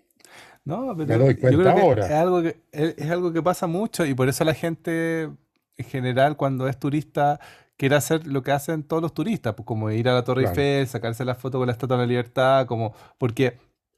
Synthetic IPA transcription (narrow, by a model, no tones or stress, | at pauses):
nopeɾoeðojkweokɾeakeoɾaesalɣoke | elesalɣo̞k̬epasamut͡ʃo̞ip̬o̞ɾe̞solaxe̞nt̪e | eŋxeneɾalkwand̪oest̪uɾist̪a | kje̞ɾeaseɾlo̞keasent̪oðolo̞st̪uɾist̪apokːomoiɾalat̪orifelsakaɾse̞lafot̪okolaet̪at̪ualaliβ̞eɾt̪akomopoɾke